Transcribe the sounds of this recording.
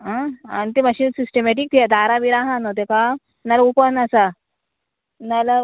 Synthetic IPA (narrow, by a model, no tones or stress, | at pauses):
ɦãa̰nit̪eməɕiːnsisʈemɛʈ̬ik̚t̪ʰijad̪ʱaɾaʋiɾaɦãnot̪eka | nalupənasa | nala